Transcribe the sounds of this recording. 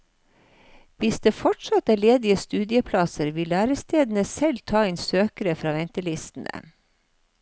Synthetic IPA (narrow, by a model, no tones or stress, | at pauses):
ʋɪsd̪eːfɔʈʂɑt̪æːɭeːd̪ɪəst̪ʉːd̪ɪəpʰlɑsəɾʋɪlːæːɾəst̪eːd̪n̩əsɛlt̪ʰɑːeːnsøːkəɾəfɾɑːʋɛnt̪əlɪst̪n̩ə̰